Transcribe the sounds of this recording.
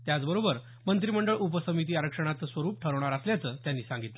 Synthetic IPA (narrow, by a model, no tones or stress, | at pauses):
t̪jat͡sbəɾobəɾ | mənt̪ɾiməɳɖəɭupəsəmit̪̬iːaɾəkʂəɽ̃at͡s̪sʋəɾuːp̚ʈʰəɾʋɳ̃aɾasljat͡səːt̪janːiːsãŋɡit̪l